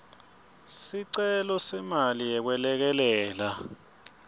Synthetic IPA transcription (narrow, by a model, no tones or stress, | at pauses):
siǀɛlɔsɛmalijɛk̬wɛlɛk̬ɛlɛːla